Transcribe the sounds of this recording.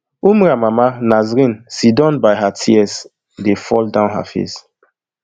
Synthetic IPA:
umuɾamamanazɾĩnsidɔ̃nbajɦatʰiɛs | defɔ̰ldãʊnɦa̰fḛs

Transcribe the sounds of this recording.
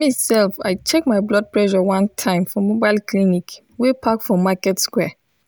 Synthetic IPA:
misɛlfa̰ɪt͡ʃek̚maɪblɔd̚plɛʃɔwãntʰãɪ̃mfɔmobaɪlklinik | wepʰakfɔ̃makɛtskwɛ

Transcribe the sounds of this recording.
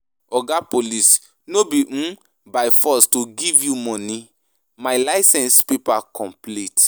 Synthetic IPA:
ɔɡapolis | nobiʔũ | baɪfɔstuɡivjumɔ̃ni | majlaɪsɛ̃nspipakɔ̃mplit

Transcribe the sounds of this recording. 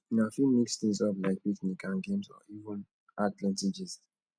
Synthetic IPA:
nafimikstẽsɔvlaɪk̚piknikãnɡẽmsɔ̰ivə̃n | ʔatlɛ̃ntid͡ʒist

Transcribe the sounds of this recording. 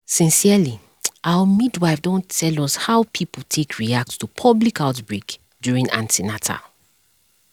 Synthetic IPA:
sĩnsiali | ʔaʊwəmidwaɪfdõntʰɛlɔshawpʰipətʰekʰɹiak̚tstupʰɔblikaʊtbɹek | djuɹĩŋã̰ntinatʰa̰

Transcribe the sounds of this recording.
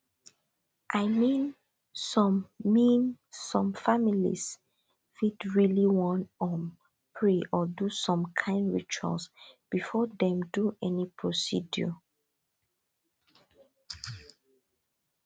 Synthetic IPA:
ʔaɪmĩn | sɔ̃mːĩnsɔ̃mfamilḭs | fidɹiliwɔ̃nɔm | pʰɹeʔɔdusɔ̃mkʰãɪ̃ndɹit͡ʃɔ̰sb̥ifɔdɛ̃mduʔɛnipʰɹosḭdjɔ̰

